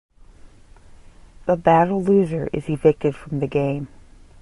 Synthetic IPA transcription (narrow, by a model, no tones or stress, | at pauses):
ðəbæɾl̩ˠlʉzə˞ʔɪ̰zɨvɪk̚tɨd̥fɹʌ̃mðɨɡẽɪ̃m